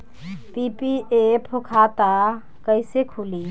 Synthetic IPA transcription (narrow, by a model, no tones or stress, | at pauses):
pipiʔepʰukʰat̪a | kəɪsekʰuli